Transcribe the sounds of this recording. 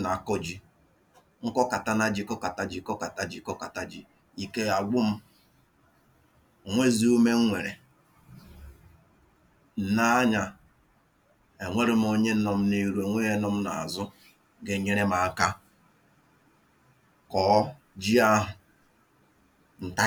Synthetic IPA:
na˨kɔ˦d͡ʒi˦ | ŋ̩˦kɔ˦ka˨ta˦na˦d͡ʒi˨kɔ˦ka˨ta˨d͡ʒi˨kɔ˦ka˨ta˦d͡ʒi˨kɔ˦ka˨ta˦d͡ʒi˨ | i˨ke˦a˨ɡ͡bʷʊ˦m̩˦˨ | ŋʷe˦zi˦u˦me˦ŋ̩˦ŋʷe˨ɾḛ˨ | n̩˨na˦a˦ɲa˨ | e˨ŋʷe˦ɾɪ˦m̩˦o˦ɲe˦n̩˦nɔ˨m̩˦ni˦ɾu˦e˨ŋʷe˦e˦nɔ˦m̩˦na̰˨a̰˨zʊ˦ | ɡe˦ɲe˦ɾe˦ma˨a˦˨ka˦ | kɔ˨˦ | d͡ʒi˦a˦ɦʊ˨ | n̩˨ta˦

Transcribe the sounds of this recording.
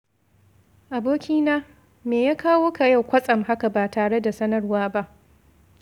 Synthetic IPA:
ʔa˨boː˦kʲiː˦naː˦ | meː˨jaː˦kaː˦woː˦ka˨ja˦˨wkʷɐ˦sʼɐ˨mɦa˦ka˨baː˨taː˨ɽe˦da˨sɐ˦nɐ˦rwaː˦ba˦ʔ

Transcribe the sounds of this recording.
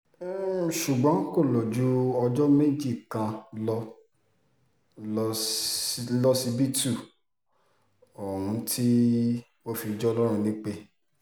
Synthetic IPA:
ʃu˨ɡ͡bɔ̃˨˦ko˦˨lɔ˨d͡ʒu˦ɔ˧d͡ʒɔ˦me˦d͡ʒi˦˨kã˧lɔ˧ | lɔ˦si˧bi˦tu˦˨ | ɔ˨ɾũ˨˧tʰi˦ | wo˦fi˧d͡ʒɔ˦lɔ˦ɾ̃ũ˧nĩ˦k͡pe˦

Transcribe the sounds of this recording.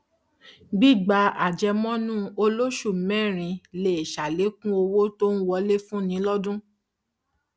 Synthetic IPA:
ɡ͡bi˦˨ɡ͡ba˧a˨d͡ʒɛ˧mɔ̃˦nũ˦o˧lo˦ʃu˦˨mɛ̃˦˨ɾ̃ĩ˧le˨e˨ʃa˨le˨˦kũ˦o˧wo˦to˦n̩˦wɔ˧le˦fũ˦nĩ˨˦lɔ˦dũ˦

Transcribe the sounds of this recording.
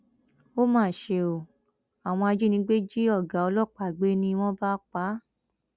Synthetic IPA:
o˦mãː˦˨ʃe˧o˨ | a˨w̃ɔ̃˧a˧d͡ʒi˦nĩ˧˦ɡ͡be˦d͡ʒi˦ɔ˦˨ɡa˨ɔ˧lɔ˦˨k͡pa˨ɡ͡be˨˦nĩ˧w̃ɔ̃˦ba˦k͡pa˨˦

